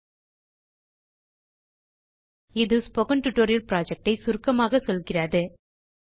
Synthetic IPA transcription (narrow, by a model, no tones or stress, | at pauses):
ɪðɯspɔɣɐnʈʊʈːoːɾɪjɐlpɪɾaːd͡ʒɐk̚ʈɐɪsʊɾkɐmaːɣɐsɔlɣɪraːðɯ